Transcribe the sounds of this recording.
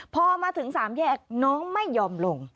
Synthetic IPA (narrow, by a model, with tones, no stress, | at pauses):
pʰɔː˧maː˧t̪ʰɯ˩˦ŋsaː˩˦mjɛː˥˩k̚nɔː˦˥ŋma˥˩jːɔː˧mlo˧ŋ